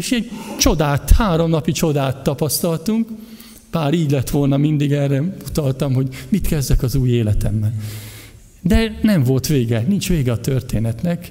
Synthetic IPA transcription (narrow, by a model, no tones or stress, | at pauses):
eʃɛɟt͡ʃo̞d̪aːt̪haːɾo̞mnɒpit͡ʃo̞d̪aːt̪ːɒpɒst̪ɒlt̪uŋk | b̥aːɾiːɟlɛt̪ʋo̞lnɒmind̪iɡɛrɛut̪ɒlt̪ɒmɦo̞ɟmit̪kɛzd̪ɛkɒzuːjeːlɛt̪ɛmːɛl | d̪ɛnɛɱvo̞lt̪ʋeːɡɛnint͡ʃʋeːɡɛɒt̪ørt̪eːnɛt̪nɛk